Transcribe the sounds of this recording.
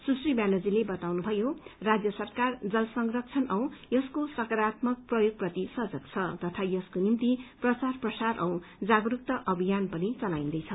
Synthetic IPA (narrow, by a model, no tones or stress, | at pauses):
susribjanʌd͡zilebʌt̪awnubʱʌjorad͡zjʌsʌrkard͡zʌlsʌŋrʌk̚t͡sʰʌnʌw̃jʌskosʌkʌɾat̪mʌk̚prʌjoɡ̚prʌt̪isʌd͡zʌk̚t͡sʰʌt̪ʌt̪ʰajʌskonimt̪iprʌt͡sarprʌsaɾʔʌw̃d͡zaɡɾuk̚t̪ʌʔʌbʱijanpʌnit͡sʌlaind̪ʌjt͡sʰʌ